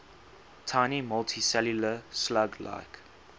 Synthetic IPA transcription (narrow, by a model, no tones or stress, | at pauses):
tʰãɪnimɔltʰisɛljuləslaɡla̰ɪk